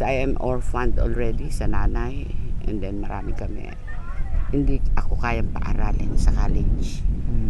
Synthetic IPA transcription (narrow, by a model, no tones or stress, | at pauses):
ʔajɛmʔoɹfand̪o̰lɹɛd̪isɐnaːnajʔɛ̰̃nd̪ɛnmɐɾa̰ːmɪkɐmɛ̰ | hɪnd̪iʔɐkokaːjɐŋpɐʔaɾalʔɛ̰nsɐkaːlɪd͡ʒ